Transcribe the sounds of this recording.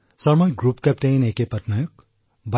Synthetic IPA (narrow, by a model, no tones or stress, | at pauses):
sʌrmʌjɡrupkapʈejnekepʌtnʌjok̚ | ba